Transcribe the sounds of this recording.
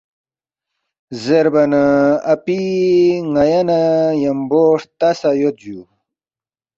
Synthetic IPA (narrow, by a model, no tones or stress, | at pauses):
zeɾbɐnɐɐpiŋɐjanajɐmboːʂt̪asajot̪̚d͡ʑu